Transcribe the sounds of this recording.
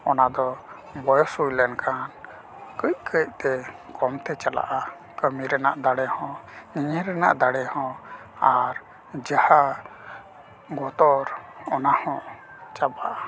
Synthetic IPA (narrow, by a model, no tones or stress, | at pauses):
ɔnad̪ɔ | bɔjɔsujlɛnkʰan | kəc̚kʰəc̚t̪ɛkɔmt̪ɛt͡ʃala̰ʔa | kəmiɾɛnaʔd̪aɽɛhɔ̃iɲəɾɛna̰ʔd̪aɽɛhɔ̃ | aɾ | d͡ʒaha | ɡɔt̪ɔɾɔnahɔ̃ | t͡ʃabaʔa